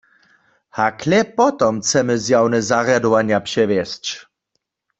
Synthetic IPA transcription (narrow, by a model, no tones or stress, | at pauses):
hakʰlɛpɔt̪ɔmt͡sɛmɨzjawnɛzaʁjad̪ɔʋanjapʂɛʋjɛst͡ʃ